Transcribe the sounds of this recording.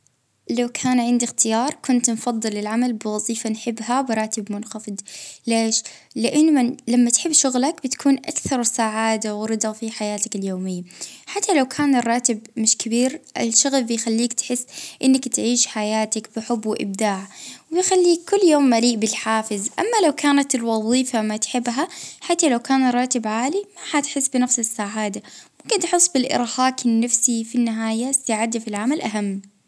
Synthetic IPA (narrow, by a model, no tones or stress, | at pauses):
lawkʰaːnʕɪnd̪ixt̪ɪjɑːɾˤkʊnt̪nfɑðˤːɨlɪlʕamalbɪwɑzˤiːfanħɪbːhabɪɾˤɑːt̪ɪbmʊnxɑfɨd̪ˤleːʃ | lɪʔɪnːmlamːat̪ħɪbːʃʊɣlakbɪt̪kʰuːnʔa̰kθɑɾˤwsaːʕaːd̪awɾɨd̪ˤɑfiħajaːt̪akɪljoːmɪjːaħat̪ʰːalawkʰaːnɪrˤːɑːt̪ɪbmɪʃkɪbiːɾʔɪlʃʊɣlbɪjxalːiːkt̪ħɪsːʔɪnːakt̪ʕiːʃħajaːt̪akb̥ɪħʊbːwɪʔɪ̰b̚d̪aːʕwɪjxalːiːkʰːʊlːjoːmːaliːʔbɪlħaːfɪzʔa̰mːalawkʰaːnat̪ɪlwɑðˤiːfamat̪ħɪbːɦaħat̪ːalawkaːnrˤːɑːt̪ɪbʕaːlimahat̪ħɪsːbɪnafsɪsːaʕaːd̪amʊmkɪnt̪ħɨsˤːbɪlʔɪ̰ɾhaːkɪnːafsifinːɪɦaːjast̪aʕad̪afilʕamalʔaɦamː